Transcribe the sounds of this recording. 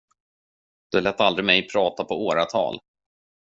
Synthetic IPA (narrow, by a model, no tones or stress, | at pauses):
d̪̥ɵalɛːt̪ald̪ɾɪmɛjpʰɾɑːt̪apʰɔoːɾat̪ʰɑ̰ːl